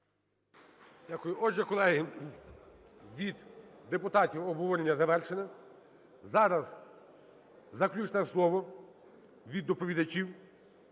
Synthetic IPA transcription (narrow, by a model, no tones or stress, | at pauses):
dʲakʊjʊʔɔʒɛkɔlˠɛɦɪ | ʋʲid̪d̪epʊt̪ɑtʲiwɔbɦɔʋɔɾʲenʲːɐzɐʋɛrʃenɐ | zɑɾɐz | zɐklʲut͡ʃnɛslˠɔʋɔ | ʋʲid̪ːɔpɔʋʲid̪ɐt͡ʃʲiw